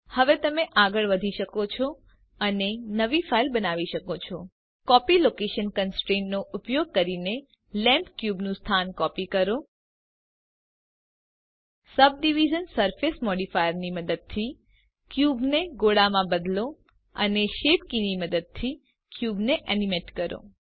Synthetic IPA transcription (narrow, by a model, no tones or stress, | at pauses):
həʋet̪əmeʔaɡəɭʋəd̪ʱiʃəkot͡ʃʰɔ | ənenəʋifʰailbənaʋiʃəkot͡ʃʰɔ | kɔpilokeʃənkənsʈɾenːoʔupjoɡ̚kəɾine | lɛ̃mpkjubnũst̪ʰankɔpikəɾo | səb̚ɖiʋid͡ʒənsəɾfesmɔɽifajəɾniməd̪əd̪̚t̪ʰi | kjubneɡoɽamãbəd̪lo | ə̰neʃepkiniməd̪əd̪̚t̪ʰi | kjubneʔɛnimeʈkəɾo̰